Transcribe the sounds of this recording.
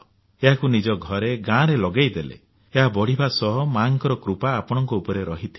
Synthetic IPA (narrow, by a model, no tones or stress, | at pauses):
eɦakunid͡ʒɔɡʱɔɾeɡãɾelɔɡejd̪elḛ | eɦabɔɽ̤ibʱasɔɦɔmaŋkɔɾɔkɾupaːpɔɽ̃ɔŋkɔupɔɾeɾɔɦit̪ʰi̥